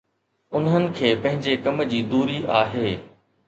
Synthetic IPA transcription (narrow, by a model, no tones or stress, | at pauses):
ʊnɦənɪ̆kʰeːpɐ̃ɦɪ̃ɲd͡ʑekɐmd͡ʑiːd̪uːɾiʔaːɦeː